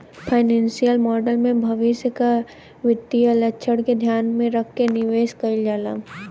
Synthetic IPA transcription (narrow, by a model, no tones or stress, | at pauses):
pʰaːɪnɛ̃ːnsijəlmɔːɖəlmẽbʱɐʋɪsjəka | ʋɪt̪ːiəlɐtːʃʰəɽked̪ʱjaːnmẽɾɐkʰːenɪʋeːʃkɐid͡ʒaːlaː